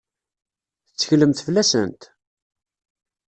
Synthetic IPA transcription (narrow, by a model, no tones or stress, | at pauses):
θət͡sːəçləmθəflæsə̰nt̪